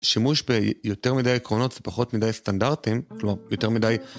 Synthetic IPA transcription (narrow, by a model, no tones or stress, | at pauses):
ʃimuʃbejo̞te̞ʁmidajekʁo̞no̞tz̥epaχo̞tmidajstandaʁtimklomaʁjo̞te̞ʁmidaj